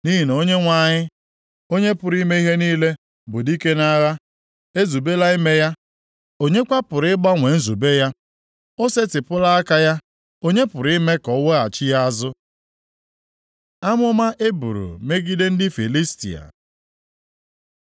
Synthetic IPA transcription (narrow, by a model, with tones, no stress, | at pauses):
ni˦ɦi˨n˨o˦ɲe˦ŋʷa˨ɲɪ˦ | o˦ɲe˦pʊ˨ɾi˦me˦i˦ɦe˦niː˦le˦ | bʊ˨di˦ke˦na˦ɣa˦ | e˦zu˨be˦la˦i˦me˦ja˦ | o˦ɲe˦kʷa˦pʊ˨ɾɪ˦ɪ˦ɡ͡ba˦ŋʷe˨n̩˦zu˨be˦ja˦ | o˦se˦tɪ˨pʊ˦la˦a˦ka˦ja˦ | o˦ɲe˦pʊ˨ɾi˦me˦kɔ˨˦we˦a˨t͡ʃɪ˦ja˦a˦zʊ˦ | a˦mʊ˦ma˦ʔe˦bṵ˨ɾṵ˨me˦ɡi˦de˦n̩˦dɪ˦fi˨li˦stḭ˨a̰˨